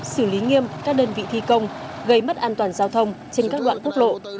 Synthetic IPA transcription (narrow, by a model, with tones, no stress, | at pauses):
sɨ˧˩li˨˦ŋi˧əmkaː˦˥k̚ɗəː˧nvḭ˧˨t̪ʰi˧kə˧wŋ͡mɣə˧jm˦˥t̚ʔaː˧nt̪waː˨˩nzaː˧wt̪ʰə˧wŋ͡mt͡ɕe˧nkaː˦˥k̚ɗwa̰ː˧˨nku˦˥ək̚lo̰˧˨